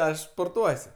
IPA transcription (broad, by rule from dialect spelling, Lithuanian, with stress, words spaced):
ˈɐʃ spoːrˈtuɔsʲ